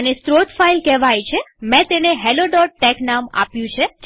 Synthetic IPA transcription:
ənest̪ɾot̪failkɛʋajt͡ʃʰemɛ̃t̪eneɦɛloɖɔʈ̚ʈɛknama̰pjũt͡ʃʰed͡ʒ

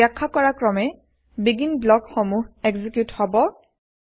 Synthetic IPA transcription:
akʰːakɔɹakɹɔmɛ | biɡinblɔkxɔmuɦɛɡzikjuthɔbɔ

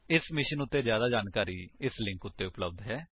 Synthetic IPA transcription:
ɪsmɪʃənʊt̪ːeːzjaːd̪aːd͡ʒaːnkaːɾiːɪslɪ̃ŋkʊt̪ːeːʊpləb̚d̪ɦɛː

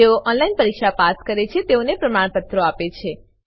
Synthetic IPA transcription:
eoʔɔnlainpəɾikʃapaskəɾet͡ʃʰet̪eonepɾəmaɳ̃pət̪ɾoapet͡ʃʰe

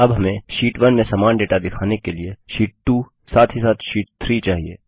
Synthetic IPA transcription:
ɐbɦɐmẽʃiːʈʋɐnmẽsaːmaːnɖeːʈad̪ɪkʰaːnekelieʃiːʈ̚ʈuː | saːt̪ʰɦisaːt̪ʰʃiːʈ̚t̪ʰɾit͡ʃaːɦiḛː

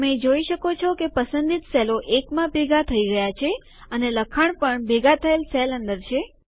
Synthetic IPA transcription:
əmẽd͡ʒoiʃəkot͡ʃʰɔkepəsənd̪it̪seloʔekmãbʱeɡat̪ʰəiɡəjat͡ʃʰe | əneləkʰaɳpəɳbʱeɡat̪ʰəelselənd̪əɾt͡ʃʰe

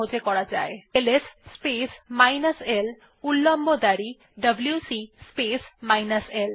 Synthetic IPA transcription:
od͡ʑekɔɽad͡ʑaeelesspesmajnəsel | ulːɔmbod̪aɾi | ɖəbljusispesmajnəsel

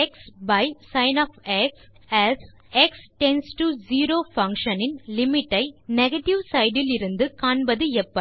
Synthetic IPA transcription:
ɛksbɐɪsɐɪnaːfɛks | æs | ɛksʈɛnsʈud͡ʒiːɾoːfɐŋkʂɐnɪnlɪmɪʈːɐɪnɛɣɐʈːɪʋsɐɪɖɪlɪɾɯnd̪ɯkaːɳbɐðɯɛpːɐ

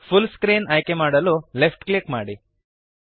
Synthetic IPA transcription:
pʰulskɾiːnaːjkemaːɽɐlulepʰʈklikmaːɽi

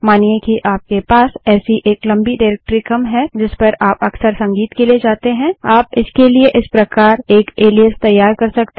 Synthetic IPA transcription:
maːniekiʔaːp̚kepaːsɛːsiʔeːklɐ̃mbiɖaɪɾɛk̚ʈɾikɐmɦɛd͡ʒɪspɐɾaːpɐksəɾsɐ̃ŋɡiːt̪kelied͡ʒaːt̪eɦɛ̃aːp̚ɪskelieʔɪspɾɐkaːɾeːkeːliəst̪ɐjːaːɾkɐɾsɐkt̪

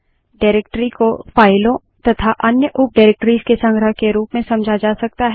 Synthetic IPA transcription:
ɖaːɾek̚ʈəɾikofaːɪlõ | t̪ɐt̪ʰaʔɐnjəʔʊp̚ɖaːɾeːk̚ʈɾiːzkesɐ̃ŋɡɾəɦkeɾuːpmẽsɐ̃md͡ʒʱad͡ʒaːsɐk̚t̪aɦɛ

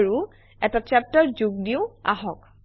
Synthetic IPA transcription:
ɹu | ɛtat͡ʃap̚tɔɹzuɡ̚diʊa̰ɦɔk

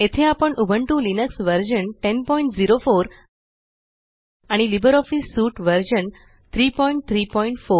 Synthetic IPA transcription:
et̪ʰeapəɳʔubʱəɳʈũlinəksʋəɾd͡ʑənʈenpɔiɳʈd͡ziɾofoɾ | aɽ̃ilibəɾɔfisːuːʈʋəɾd͡ʑən | t̪ʰɾiːpɔĩɳʈ̚t̪ʰɾiːpɔĩɳʈfo

